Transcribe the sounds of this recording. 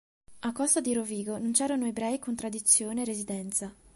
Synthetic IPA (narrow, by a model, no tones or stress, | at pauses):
akːɔst̪ad̪iɾoviːɡonont͡ʃɛːɾanoebɾɛjkont̪ɾad̪it̪sːjoːneːrːezid̪ɛnt̪sa